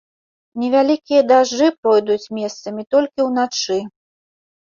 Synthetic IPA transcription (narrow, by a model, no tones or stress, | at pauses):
nʲɛvʲalʲikʲijɐd̪aʐːɨpɾɔjd̪ut͡sʲmʲɛst̪sɐmʲit̪ɔlʲkʲiwnat͡ʂɨ